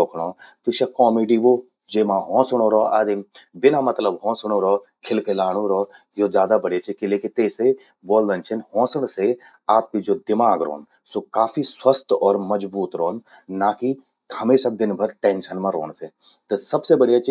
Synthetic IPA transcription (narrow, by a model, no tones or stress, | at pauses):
oːkʰɽ̃oːt̪uʃakɔːmeːɖiʋo | d͡ʒeːmãɦɔ̃ːsɽ̃oɾɔːɐd̪imbɪnamɐt̪ləbɦɔ̃ːsɽ̃oɾɔː | kʰɪlkelaːɽ̃õɾɔː | joːzjaːd̪abɐɽet͡ʃʰikileːkit̪eːse | ʋoːld̪ɐnt͡ʃʰɐnɦɔ̃ːsəɳ̃se | aːp̚kid͡ʒoːd̪ɪmaːɡɾo̰ːn | soːkaːfiswɐst̪ɔːɾmɐd͡ʒbuːt̪ɾoːnː | aːki | hɐmeːsad̪ɪnbʱɐɾʈeːnʃənmãɾo̰ːɳ̃se | t̪ɐsɐbsebɐɽ̤ijat͡ʃʰi